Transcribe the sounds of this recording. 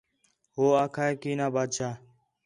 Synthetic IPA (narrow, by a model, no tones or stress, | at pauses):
ɦoːaːkʰaːekiːnãːbaːd̪t͡ʃʰaː